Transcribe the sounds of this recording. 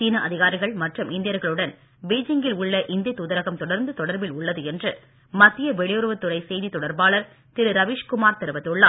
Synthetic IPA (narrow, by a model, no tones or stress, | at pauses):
siːnɐʔɐðɪɣaːɾɪɣɐɭmɐʈrɯmɪnd̪ɪjɐɾɣɐɭɯɽɐn | beːd͡ʒɪŋɡɪlʊɭːɐʔɪnd̪ɪjɐt̪ːʊðɐɾɐɣɐmt̪ɔɽɐɾnd̪ɯt̪ɔɽɐɾbɪlʊɭːɐðɯɛndrɯ | mɐt̪ːɪjɐʋɛɭɪjʊɾʋɯt̪ːʊɾɐɪsɛjðit̪ːɔɽɐɾbaːɭɐɾ | t̪ɪɾɯɾɐʋɪʂkʊmaːɾt̪ɛɾɯʋɐt̪ːɯɭːa̰ː